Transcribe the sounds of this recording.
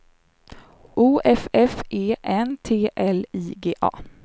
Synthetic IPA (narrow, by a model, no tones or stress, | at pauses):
ʔuːʔɛfɛfʔeːʔɛnt̪ʰeːʔɛliːɡeːʔɑ̰ː